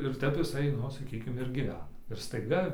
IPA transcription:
ɪr ˈtʲɛp ɪˈsɐɪ ˈnʊ sɐˈkʲiːkʲɪm ɪr ɡʲiːˈʋʲæːnɐ ɪr stɐɪˈɡɐ

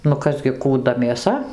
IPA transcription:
nʊ ˈkɐs ɡʲɪ kuːˈdɐ mʲeːˈsɐ

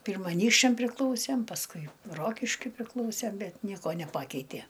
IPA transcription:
ˈpʲiːrmɐ ɐˈnʲiːkʃʲt͡ʃʲɛm pʲrʲɪˈklˠɐʊsʲɛm pɐsˈkʊɪ ˈroːkʲɪʃʲkʲʊɪ pʲrʲɪˈklˠɐʊsʲɛm ˈbʲɛt ˈnʲiɛkoː nʲɛˈpɑːkʲɛɪtʲeː

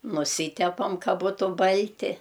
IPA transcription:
nʊˈsʲiːtʲɛpɐm ˈkɐ ˈbuːtʊ ˈbɐlʲtʲɪ

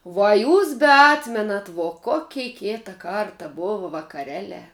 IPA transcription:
ʋuɔ ɐ ˈjuːs bʲɛˈɑːtʲmʲɛnɐt ʋoː ˈkoːkʲɛɪ ˈkʲeːtɐ ˈkɐrtɐ ˈboːʋɐ ʋɐkɐˈrʲæːˌlʲæː

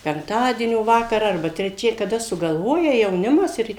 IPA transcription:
pʲɛŋkˈtɑːdʲiɛnʲoː ˈʋɑːkɐrɑː ɐrˈbɐ tʲrʲɛˈt͡ʃʲɛ kɐˈdɐ sʊɡɐlˠˈʋoːjɛ jɛʊˈnʲɪmɐs ˈɪr

